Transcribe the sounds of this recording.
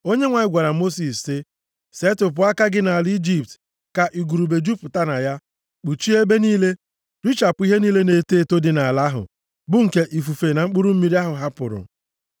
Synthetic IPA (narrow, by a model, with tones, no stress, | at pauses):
o˦ɲe˦ŋʷa˨ɲɪ˦ɡʷa˨ɾa˨mo˦si˨sːɪ˦ | se˦tʊ˨p̬ʊ˨˦a˦ka˦ɡɪ˦na˨li˦d͡ʒi˦p̚t | ka˨ʔi˨ɡu˨ɾu˨be˨d͡ʒu˦pʊ˨ta˦na˨ja˦ | k͡pu˨t͡ʃi˦e˦be˦niː˦le˦ | d̥u˦t͡ʃa˨pʊ˦i˦ɦe˦niː˦le˦ne˨teː˦˨to˦dɪ˨na˨la˦ɦʊ̰˨ | bʊ˦ŋ̩˨ke˦ʔi˨fu˨fe˨na˨ŋ͡m̩˦k͡pʊ˦ɾu˦m̩˦mi˦ɾi˦a˦ɦʊ˨ɦa˦pʊ̰˨ɾʊ̰˨